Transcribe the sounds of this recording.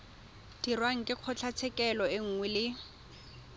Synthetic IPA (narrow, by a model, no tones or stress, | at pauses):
d̥irwaŋ̩kʼɪq͡χʰɔt͡ɬʰat͡sʰɛkʼɛlɔɪŋ̩ŋwɛlɪ